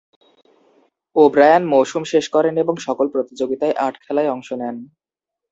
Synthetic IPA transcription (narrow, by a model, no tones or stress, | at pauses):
obɾajanmowʃumʃeʃkɔɾeneboŋʃɔkolpɾot̪id͡ʑoɡit̪aeʔaʈʰkʰɛlaeɔŋʃonɛn